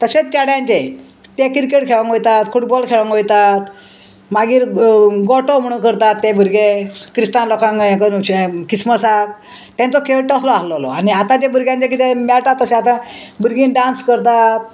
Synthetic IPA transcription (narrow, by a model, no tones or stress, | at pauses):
t̪əset͡ɕaɽjãɲt͡ɕe | t̪ekiɾkeʈkʰeɭə̃ŋojt̪at̪fuʈbɔlkʰeɭə̃ŋkojt̪at̪ | maɡiːɾɡɔʈom̤əɽ̃ũkəɾt̪at̪ːebʱuɾɡekɾist̪ãnlɔkãŋãkəɾkisməsak̚ | t̪ːẽnt͡sɔkʰeʈəslɔaɦlɔlɔ̰aniat̪ãt̪ebuɾɡjãɲt͡ɕek̬it̪emɛʈat̪ːəsẽat̪ãbuɾɡĩnɖãnskəɾt̪at̪̚